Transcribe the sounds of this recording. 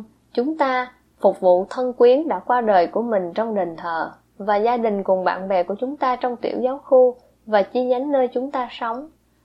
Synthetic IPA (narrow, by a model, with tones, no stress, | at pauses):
t͡ɕʊ˨˦ŋ͡mt̪aː˧ | fʊ˨˩k͡p̚vṵ˧˨t̪ʰə˧nkwi˨˦ənɗa̰ː˧˥kwaː˧ɗəː˨˩jku˧˩əmï˨˩ŋ̟t͡ɕɔ˧wŋ͡mɗeː˨˩ŋt̪ʰəː˨˩ | vaː˨˩zaː˧ɗï˨˩ŋ̟kʊ˨˩ŋɓa̰ː˧˨nɓɛ˨˩ku˧˩ət͡ɕʊ˨˦ŋ͡mt̪aː˧t͡ɕɔ˧wŋ͡mt̪ḭ˧˩əwzaː˨˦wxu˧ | vaː˨˩t͡ɕi˧ɲa˨˦jŋ̟ːəː˧jt͡ɕʊ˨˦ŋ͡mt̪aː˧sə˨˦wŋ͡m